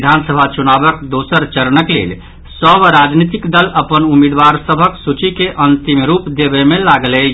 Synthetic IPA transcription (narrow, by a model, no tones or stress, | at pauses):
d̪ʱansəbʱat͡ʃunabəkd̪osəɾt͡ʃəɾnəklḛl | səbɾad͡ʒnit̪ikd̪ələpənumid̪ʋaɾsəbʱəksut͡ʃikeʔənt̪imɾupd̪ebemelaɡlɛ